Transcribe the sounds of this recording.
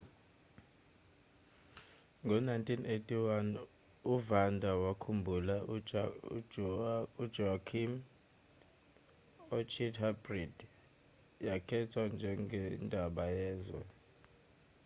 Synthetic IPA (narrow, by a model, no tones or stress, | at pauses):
ŋɡʱɔnajntʰʼinʔetʰʼiwan | uvandʱawakʰumbʱula | ud͡ʒɔakʰim | ot͡ʃʰithabrid̥ | jakʰɛtʰwand͡ʒʱɛŋɡɛndʱaɓajɛːzwɛ